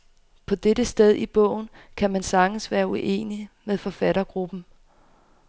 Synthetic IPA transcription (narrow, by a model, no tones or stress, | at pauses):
pʰɒ̽d̥edəsd̥eð̞ˠib̥ɔ̰̽ʊ̰n̩ | kʰæmænsɑ̈ŋn̩sʋæːɐuʔe̝̰ːnimeðˠfɒ̽fæɾɐɡ̥ʁub̥n̩